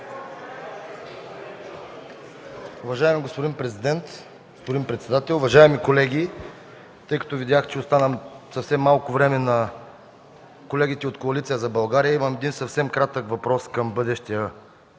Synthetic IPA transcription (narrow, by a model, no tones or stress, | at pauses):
ʊvɐʒaɛmiɡospʊd̪inpɾɛzid̪ɛnt̪ | ɡospod̪inpɾɛt̪sɛd̪at̪ɛlˠʊvɐʒaɛmikolɛɡ̟ʲi | t̪ɤjkɐ̥t̪ovid̪jaxt͡ʃɛʊst̪anəmsɐfsɛmːalˠkʊvɾɛmɛnɐ | kolɛɡ̟it̪ɛot̪koɐlit̪sijəzɐbɐlˠɡaɾijəiməmɛd̪insɐfsɛmkɾat̪əkvɐpɾɔskɐmbɤd̪ɛʃt̪iə